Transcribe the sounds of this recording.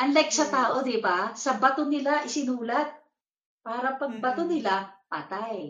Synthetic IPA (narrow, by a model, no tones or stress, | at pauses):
ʔɐnlɛɡ̚sɐt̪aːʔo̞d̪ɪbasɐbɐt̪onɪlaʔɪsɪnuːlɐt̪̚ | paːɾɐpɐɡ̚bɐt̪onɪlapaːt̪aj